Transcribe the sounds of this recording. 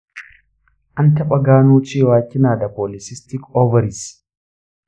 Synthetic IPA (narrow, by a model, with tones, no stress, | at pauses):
ʔa˦ntɐ˦ɓɐɡaː˦noː˦t͡ʃiː˦waː˦kʲːɪ˦naː˨dɐ˨polɪsɪ˦stɪ˦kɔ˦vɐ˨ɾɪ˨s